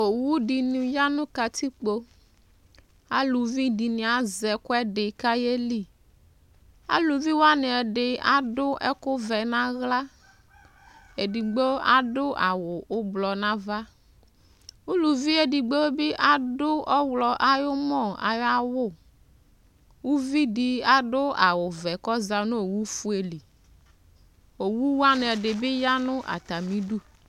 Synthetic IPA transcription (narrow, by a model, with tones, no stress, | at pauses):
o˨wu˦di˨nũ˨ja˦nʊ̃˦ka˨t̪i˦k͡po˦ | a̰˨lu˨vi˦di˨nĩ˨a˨zɛ˨kʊ˦ɛ˦ɖɪ˨ka˦je˦li˦˨ | a̰˦lu˨vi˦wa˦ne˨ɛ˨ɖɪ˨a̰˨dʊ˦ʔɛ̰˦kʊ˦vɛ˨nã˦ɣla˦ | e˨di˨ɡ͡bo˦a̰˨dʊ˦ʔa̰˨wʊ˨ʔʊ˦blɔ˨nã˦va˦ | u˦lu˨vi˦e˨di˨ɡ͡bo˦wbɪ˦ʔa˨dʊ˦ɔ˦wlɔ˨ʔa˨jʊ˦mɔ˦˨a̰˨ja˦wʊ˦˨ | wu˦vi˦dɪ˦a˨dʊ˦a˨wʊ˨vɛ˨kɔ˦za˨nʊ̃˦o˨wu˦fu˦e˨li˨ | o˨wu˦wa˦nɪ˨ɛ˨dɪ˨bɪ˦ja˦nʊ̃˦ʔa̰˨t̪a˨mĩ˦ɖu˦